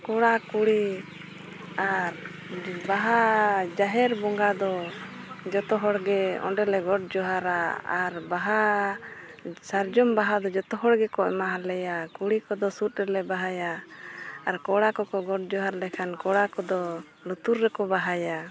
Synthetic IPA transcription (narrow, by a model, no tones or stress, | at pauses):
kɔɽakuɽi | aɾ | baɦad͡ʒaɦɛɾbɔŋɡad̪ɔ | d͡ʒɔt̪ɔɦɔɽɡɛɔ̰ɳɖɛlɛɡɔʈ̚d͡ʒɔɦaɾaaɾbaɦa | saɾd͡ʒɔmbaɦad̪ɔd͡ʒɔt̪ɔɦɔɽɡɛkɔʔɛmaɦalɛjakuɽikɔd̪ɔsut̪̚ɾɛlɛbaɦajaː | ɾkɔɽakɔkɔɡɔʈ̚d͡ʒɔɦaɾlɛkʰankɔɽakɔd̪ɔ | lut̪uɾːɛkɔbaɦaja